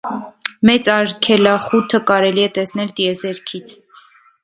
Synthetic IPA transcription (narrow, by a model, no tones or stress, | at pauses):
mɛt͡sɑɾkʰɛlɑχut̪ʰəkɑɾɛliɛt̪ɛsnɛlt̪iɛzɛɾkʰit͡sʰ